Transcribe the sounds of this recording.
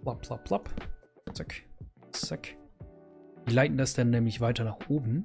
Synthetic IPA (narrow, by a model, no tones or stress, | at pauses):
lapʰlapʰlap | t͡sakt͡sak | d̥iːlaɪtn̩dasd̥anːɛːmlɪçv̥aɪtɐnaːχʔoːbm̩